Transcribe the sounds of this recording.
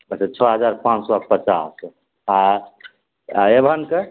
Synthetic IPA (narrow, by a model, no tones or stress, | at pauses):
əset͡ʃʰɔɦəd͡ʒaɾpãt͡ʃsɔapət͡ʃas | a | ebʱənke